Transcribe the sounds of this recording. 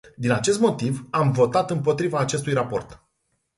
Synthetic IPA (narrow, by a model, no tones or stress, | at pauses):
d̪inat͡ʃe̞st̪mo̞t̪ivamvo̞t̪at̪ɨmpo̞t̪ɾivaːt͡ʃe̞st̪ujrapo̞̰rt̪